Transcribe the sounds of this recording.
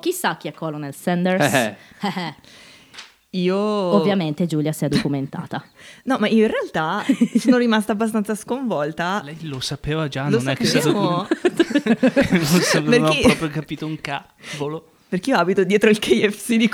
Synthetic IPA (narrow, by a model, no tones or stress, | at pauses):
k̟isːak̟ːiɛkːɔlonɛlsɛnd̪eɾsɛɛ | iːoovːjament̪ed͡ʒuljasiɛd̪okument̪a̰ːt̪anɔmaioinrealt̪asoːnoɾimast̪aːbːast̪ansaskoɱvɔlt̪alɛjlosapeːvad͡ʒanloosnɛkːst̪ːmo | nosopenaeɾɔːpɾjokapiːt̪ouŋka | volo | perkeijoaːbit̪od̪jɛːt̪ɾoilkʰejɛfsid̪ik